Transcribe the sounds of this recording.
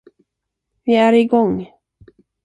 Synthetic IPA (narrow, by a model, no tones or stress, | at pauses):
vɪæɾɪɡɔŋ